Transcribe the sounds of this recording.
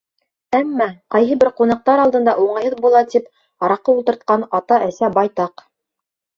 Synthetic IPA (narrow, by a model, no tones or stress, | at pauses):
æmːɑqɑjɦɤ̆bɘɾqunɑq̚t̪ɑɾɑlˠd̪ɤ̆nd̪ɑʔuɴɑjhɤðbulˠɑt̪ip | ɑɾɑqːɤult̪ɤ̆ɾt̪̚qɑnɑt̪ɑʔæsæbɑjt̪ɑq